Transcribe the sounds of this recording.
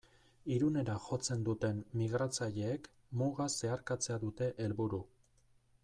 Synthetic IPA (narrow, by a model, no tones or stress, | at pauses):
iɾune̞ɾaʝo̞t͡se̞nd̪ut̪e̞nːiɣɾat͡saʎe̞ːk | muɣase̞aɾkat͡se̞aðut̪e̞ʔelβuɾu